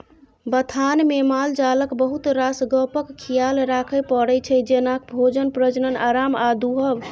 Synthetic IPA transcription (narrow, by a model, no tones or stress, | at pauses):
bət̪ʰanmemald͡ʒaləkbəɦut̪ɾasɡəpəkːʰijalɾakʰəjpəɽɛt͡ʃʰɛd͡ʒenakbʱod͡ʒənpɾəd͡ʒnənaɾamad̪uɦəb